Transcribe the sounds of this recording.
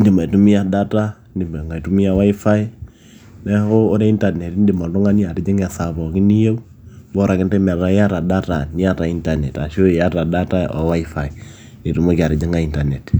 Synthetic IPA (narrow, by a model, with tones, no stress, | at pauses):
ndi˨ma˨tu˦mi˦a˦˨da˦ta˦ | ndɪ˨mɛ˨ŋa˨i˨tu˦mi˦ja˦wa˦i˦fa˦j | nɛ˦hoː˦ɾɛ˦i˦nta˨nɛ˨tndɪ˨mɔ˨ndɔ˦ŋa˦ni˦a˨ɾɪ˨d͡ʒɪ˦ŋɛ˨sa˨bɔ˨kɪ˦ni˦je˦u˦ | bɔ˦ɾa˨kɪ˦ndɛ˦mɛ˨ɾa˨˦ja˦ɾa˨da˦ta˨ni˦a˦ta˨i˦nta˨nɛ˨ta˨ʃo˦˨ja˦ta˨da˦ta˦ɔ̰˨wa˦i˦fa˨i˨ | ni˨tu˨mo˦ki˨a˨ɾɪ˨d͡ʒɪ˦ŋa˨i˨nta˨nɛ˨t